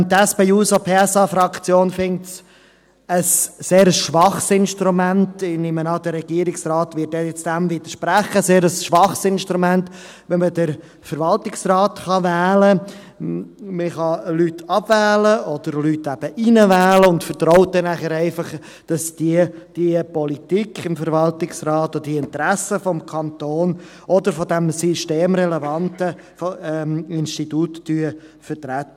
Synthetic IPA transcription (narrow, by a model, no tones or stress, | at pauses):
t̪ɛspeusopʰeːɛsɑfɾɑkt͡sjoːnfɪŋ̚ts | əsːeːɾəsʃʋɑχsɪnʃtɾumæntɪnɪmənɑd̪ərːɛɡ̥iːəɾɪksrɑːt̪ʋɪt̚dɛjɛt͡sd̥æmvid̥̪əɾʃpɾæχəseːɾəsʃʋɑχsɪnʃtɾumænt | ʋɛnmədəɾ | fəɾʋɑltɪksrɑːtχɑvæːlə | məχɑlytɑb̥væːləɔd̪̥əɾlytæb̥əʔinəvæːləʊndfəɾtɾɔʊt̚dɛnæχəɾɛɪfɑχ | d̥ɑsd̥id̥iəpɔlitikʰɪmfəɾvɑltɪksrɑːt̪ɔd̪ədiɪnt̪əɾæsəfɔmkʰɑnt̪oːn | ʔɔdəɾfɔdæmsiʃteːmɾɛlɛvɑntə | fɔɛɪnʃtituːtːyːə | fəɾtɾɛtːə